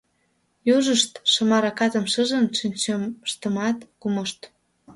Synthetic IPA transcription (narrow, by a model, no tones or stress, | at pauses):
juʒəʃt̪ʃə̆mɑɾɑkɑt̪əmʃəʒənʃinʲt͡ɕəmʃt̪ə̆mɑt̪kuməʃt̪